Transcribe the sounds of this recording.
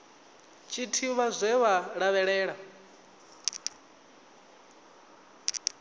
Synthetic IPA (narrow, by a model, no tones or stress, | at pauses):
t͡ʃʼitʰiβazʷɛβaɺaβɛɺɛːɺa